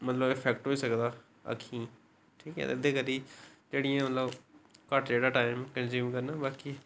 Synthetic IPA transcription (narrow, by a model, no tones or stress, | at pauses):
mət̪ləbɪpʰɛːkʈɦoːiːsəkd̪aː | ə̰kʰːĩː | ʈʰiːkɦɛ̰ːt̪ːɪd̪eːkəd̪iːd͡ʒeːɽijãːmət̪ləbkəʈd͡ʒeːɽaːʈaːɪmkənzuːmkəɾnaːbaːkiː